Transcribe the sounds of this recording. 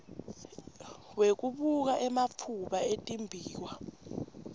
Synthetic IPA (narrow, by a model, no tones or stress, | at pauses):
wek̬uɓuk̬aʔɛmap̪fʰuɓaetʼimbʱiːwa